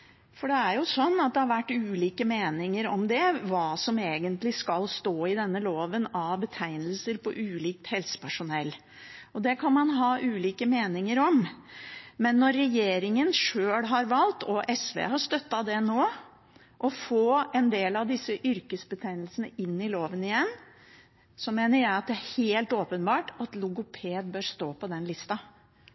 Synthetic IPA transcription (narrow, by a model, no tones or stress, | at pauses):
fɔɖɛæɾjʊsɔnːɑt̪̚d̪ɛhɑɾʋæʈːʉːliːkəmeːnɪŋəɾɔmd̪ɛʋɑːsɔmeːɡənt̪lɪskɑlst̪oːɪd̪ɛnːəloːʋənɑʋbət̪ʰæɪnəlsəɾpʰɔʔʉːliːk̚t̪hɛlsə̥pʰæʂʊnɛlː | ɔd̪ɛkʰɑnmɑnɦɑːʔʉːliːkəmeːnɪŋəɾɔm | mɛnːɔɾːɛjeːɾɪŋənʂøːɽɦɑɾʋɑlt̪ɔʔɛsʋḛːɦɑʂt̪œt̪ːɑd̪ɛnoː | ʔɔfoːɛnd̪eːlɑʋd̪ɪsːəʔʏɾkəsbət̪ʰæɪnəlsənəɪnːɪloːʋənɪjɛnː | sɔmeːnəɾjæɪɑt̪̚d̪ɛæɾheːlt̪oːpənbɑːʈɑt̪lʊɡʊpʰeːd̪̚bøːɾst̪oːpɔd̪ɛnlɪst̪ɑ